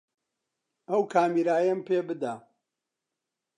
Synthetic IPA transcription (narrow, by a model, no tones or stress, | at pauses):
ɐwkʰaːmiɾaːjɐmpeːbɨd̪a